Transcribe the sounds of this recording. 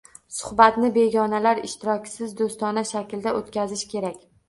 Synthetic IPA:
sʊ̥hbat̪nɪbe̞ɡʲɒnalaɾɪʃt̪ɪɾɒkʲsɪzd̪ost̪ɒnaʃakʲld̪aʔot̪kʲazɪʃkʲʰe̞ɾakʲ

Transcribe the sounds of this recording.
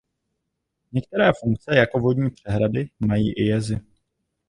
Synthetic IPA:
ɲɛk̚t̪ɛɾɛːfuŋk̚t͡sɛjako̞vodɲiːpr̝̥ɛɦɾadɪmajiːʔɪjɛzɪ

